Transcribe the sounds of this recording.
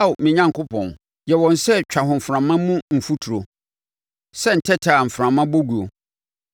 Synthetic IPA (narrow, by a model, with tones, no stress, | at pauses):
a˦wmɪ̃˨ɲã˦ŋkʊ˦pʰɔ̰̃˨n | jɛ˨wɔ̃˨n˨sɛ˦t͡ɕᶣa˨ɦʊ̃˨m̩˨fɾã˨mã˦mũ˦m̩˨fu˦tʰu˨ɾo˨ | sɛ˦n̩˨tʰɛ˦tʰa˨m̩˨fɾã˨mã˦bo˦ɡu˨o˨